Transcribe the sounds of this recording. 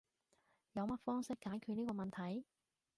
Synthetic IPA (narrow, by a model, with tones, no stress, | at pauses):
jɐ˨˧wmɐ˥t̚fɔː˥ŋsɪ˥kːaː˨˥jkʰyː˨˧t̚niː˥kɔː˧mɐ˨nt̪ʰɐ˨˥j